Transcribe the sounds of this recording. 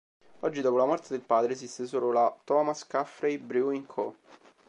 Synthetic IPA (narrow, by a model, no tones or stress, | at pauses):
ɔd͡ʒːid̪ɔːpolamɔrt̪ed̪elpaːd̪ɾeːsist̪esoːlolat̪ɔːmaskafɾejbɾuiŋkʰo